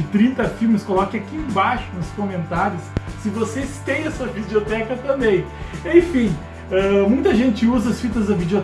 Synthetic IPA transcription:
ɪt̪ɾĩnt̪ɐfiwmɪskolɔkɪakiẽbaʃʊnʊskõmẽnt̪aɾjʊsːɪvosest̪ẽj̃ɐsuɐvid͡ʒliot̪ɛkɐt̪ɐ̃bẽj̃ | ẽj̃fĩ | ɛmũj̃t̪ɐʒẽnt͡ʃɪuzɐɐsfit̪ɐzd̪ɐvid͡ʒiot̪

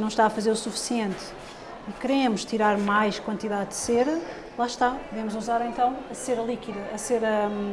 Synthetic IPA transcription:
nɐ̃w̃ʃt̪aɐfɐzeɾusufi̥siẽnt̪ | kɨɾemuʃt̪iɾaɾmajʃkwɐ̃nt̪iðaðd̪seɾɐ | lˠaʃt̪avemuzuzaɾẽnt̪ɐ̃w̃ɐseɾɐlˠikiðɐʔːseɾɐ

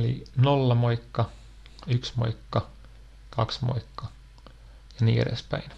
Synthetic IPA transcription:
lḭnolːɑmoikːɑ | yksmo̰ikːɑ | kɑksmo̰ikːɑ | jɑnḭːḛɾḛspæ̰in

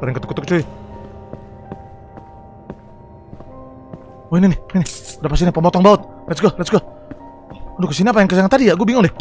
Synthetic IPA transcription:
padɛŋkət̪ukːt̪uk̚t͡ʃui | oininɪhninɪdapast̪inipəmɔt̪ɔŋbaʊt̪̚ | lasɡalatsɡa | dukəsiniapajaŋkəsaŋant̪adijaɡuabiŋʊŋlɛ

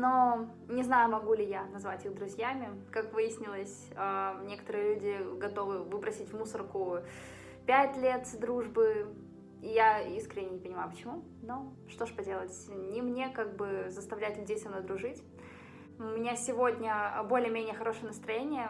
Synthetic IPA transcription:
no̞ | nʲɪznajʊmɐɡulʲɪjanɐzvatʲɨɣd̪ɾʊzʲjamʲɪkakvɨjɪsʲnʲɪlˠəsʲ | anʲe̞kə̥t̪əɾɨjəlʲudʲɪɡɐt̪o̞vɨvɨpɾɐsʲitʲvmusərkʊ | pʲætʲlʲe̞t̪d̪ɾuʐbɨ | ijaiskɾʲɪnʲɪːɪpənʲɪmajʊpə̥t͡ɕɪmu | no̞ | ʂt̪o̞ʐpɐdʲe̞lˠətʲnʲɪmnʲe̞kaɡ̚bɨzəst̪ɐvlʲæjʊt̪lʲʉdʲejsɐmnojd̪ɾʊʐɨtʲ | mnʲasʲɪvo̞dʲnʲəbo̞lʲɪəmʲenʲɪjəxɐɾo̞ʂɨjənəst̪ɾɐjenʲɪjə

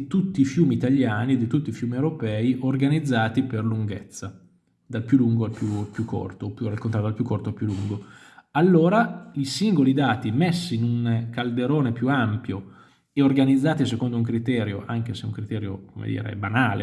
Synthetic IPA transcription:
t̪ut̪ːiːfjuːmiːt̪aʎːjaːnied̪ːit̪ut̪ːifjuːmiewɾopɛːiʔorɡanid̪zːaːt̪iperluŋɡet̪sːa | d̪alpjuluŋɡoalpjupjukːo̰rt̪opjurelkont̪ɾat̪d̪alpjukːort̪oalpjuluŋɡo | alːoːɾaʎisiŋɡolid̪aːt̪imesːiːnuŋkald̪eɾoːnepjuampjo | eorɡanid̪zːaːt̪isekond̪ouŋkɾit̪ɛːɾjoʔaŋk̟eseuŋkɾit̪ɛːɾjo̰komḛd̪ḭːɾḛbanaːlḛ

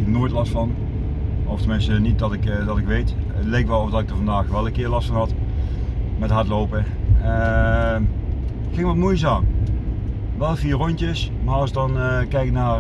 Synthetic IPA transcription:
ɪknoːjtlɑstfɑn | ɔftəmɪnstənit̚dɑtɪkdɑtɪkʋejtətlejkʋɛlˠɔvdɑtɪk̚dəɹvɑndaːxəɹʋɛlˠənkɪːɹlɑstfɑnɦɑt | mɛtɦɑɹtlowpə | ə | kɪŋʋɑtmoːjəs̬aːn | ʋɛlˠfiːrɔntəsmaːɑlˠsədɑnkɛjkənaːr

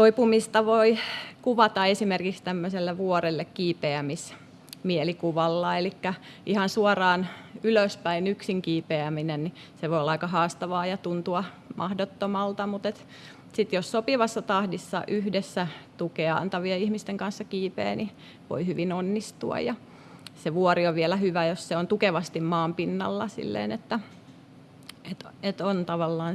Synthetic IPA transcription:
t̪oipumist̪ɑʋoikuʋɑt̪ɑesimerkikst̪æmːøselːeʋuorelːekkiːpeæmis | mielikuʋɑlːɑelikːæ | ʔihɑnsuorɑːnyløspæinyksiŋkiːpeæminenni | seʋoiolːɑikɑhɑːst̪ɑʋɑːjɑt̪unt̪uɑ | mʔɑhdot̪ːomɑlt̪ɑmut̪et̪ | sit̪jossopiʋɑsːɑt̪ɑhdisːɑ̰ʔyhdesːæt̪ukeɑɑ̰nt̪ɑʋieihmist̪eŋkɑnsːɑkiːpḛːni | ʋo̰ihyʋinonːist̪uɑ̰jjɑ | seʋuɔrioʋʋiɛlæhyʋæjosseont̪ukeʋɑst̪immɑːmpinːɑ̰lːɑsḭlːḛːnet̪ːæ | et̪et̪ont̪ɑʋɑlːɑːn

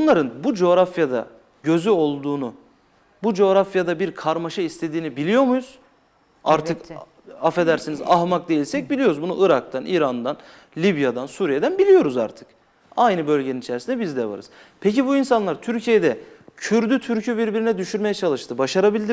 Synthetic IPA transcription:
nlˠaɾɯnbud͡ʒo̞ːɾafjad̪a̰ | ɟø̞zyo̞lˠd̪uːnu | bud͡ʒo̞ːɾafjad̪abiɾkʰaɾmaʃɯist̪ʰe̞d̪iːnibilʲijo̞ɾmujuz̥ | aɾt̪ʰɯk̪ | afe̞d̪æɾsiniza̰ɦmak̚d̪e̞jilʲsɛc̚bilʲijo̞ɾuzbunuʔɯɾak̚t̪ʰaniːɾand̪an | lʲibjad̪ansuːɾijed̪ænbilʲijo̞ɾuza̰ɾt̪ʰɯ̥k | ajnɯbø̞lʲɟeninit͡ʃʰɛɾsind̪ɛbizd̪ɛva̰ɾɯ̰z̥ | pʰecibuinsanlˠaɾt̪ʰyɾcʰijed̪ɛcʰyɾd̪yt̪ʰyɾcʰybiɾbiɾinɛd̪yʃyɾmejɛt͡ʃʰalˠɯʃt̪ʰɯbaʃaɾabilʲd̪i

